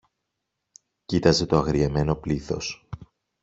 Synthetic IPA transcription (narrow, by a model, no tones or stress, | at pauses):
cit̪ɐze̞t̪o̞ɐɣɾieme̞no̞pliθo̞̰s